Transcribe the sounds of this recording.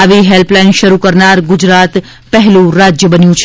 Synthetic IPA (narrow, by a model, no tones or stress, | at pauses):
aʋiɦelplainʃəɾukəɾnaɾɡʊd͡ʒɾat̪ | pəɦlũɾad͡ʒjəbənjũt͡ʃʰ